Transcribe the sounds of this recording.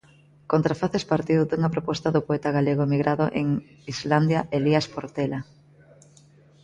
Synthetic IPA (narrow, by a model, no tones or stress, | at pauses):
kont̪ɾafaθespaɾt̪iðud̪uŋapɾopɔst̪aðopoɛt̪aɣaleɣoemiɣɾaðʊʔeŋ | izland̪jaʔeliaspoɾt̪ela